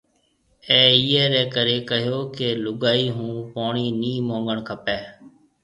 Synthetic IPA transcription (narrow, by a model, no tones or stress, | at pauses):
ɛːiːɛːɾɛːkəɾeːkəɦjoːkeːlʊɡaːiːɦũːpoːɳiːniːmõːŋɡəɳkʰəpɛː